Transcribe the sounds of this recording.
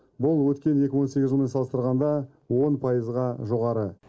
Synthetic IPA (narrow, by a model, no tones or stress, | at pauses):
bʊlˠwɵt̪kʲe̞ne̞kʲɪwo̞nse̞ɡʲɪzʒəlˠmenɑlˠəst̪əɾʁɑnd̪ɑ | wo̞npʰɑjəzʁɑʒo̞ʁɑɾə